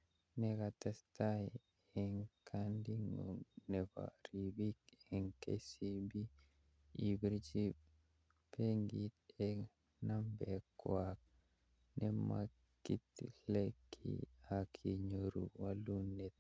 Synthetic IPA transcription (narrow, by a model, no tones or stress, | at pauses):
nɛkatasta | ɛŋkʰandiŋo̰ŋnɛpa̰ɾibikɛŋkḛsibi | ibiɾd͡ʒi | peŋɡit̪ɛ | nambɛkːwak̚ | nʔɛma̰ | kːitlɛkʰḭakʰiɲoɾṵwalunet̪̚